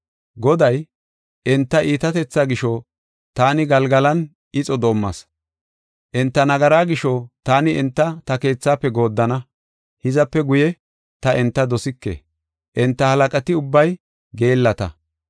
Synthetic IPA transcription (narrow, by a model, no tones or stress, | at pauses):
ɡɔd̪ɐj | ʔɛnt̪ːɐʔiːt̪ɐt̪ɛt͡sːaːɡɪʃɔ | t̪aːnɪɡɐlɡɐlɐn | ɪt͡sʼɔd̪o̞ːmːɐ̰s | ʔɛnt̪ːɐnɐɡɐɾaːɡɪʃɔt̪aːnɪʔɛnt̪ːɐt̪ɐke̞ːt͡sːaːpːɛɡo̞ːd̪ːɐnɐ | hɪzɐpːɛɡʊjɛ | t̪ɐʔɛnt̪ːɐd̪ɔsɪkːḛ | ʔɛnt̪ːɐhɐlɐkʼɐt̪ɪʊbːɐj | ɡe̞ːlːɐt̪ɐ̰